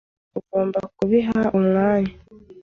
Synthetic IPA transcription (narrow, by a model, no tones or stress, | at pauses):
uɡo̞ːmbakuβiɦaʔumŋaːɲa